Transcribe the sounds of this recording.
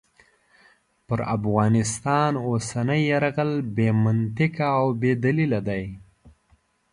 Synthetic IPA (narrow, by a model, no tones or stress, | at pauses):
pəɾafɣɑnɪst̪ɑnosanəjːaɾɣəlbemant̪ɪkaːwbed̪alilad̪aj